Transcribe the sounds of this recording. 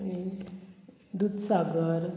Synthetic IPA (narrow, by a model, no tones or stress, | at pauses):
ɽ̃i | d̪ud̪saɡəɾ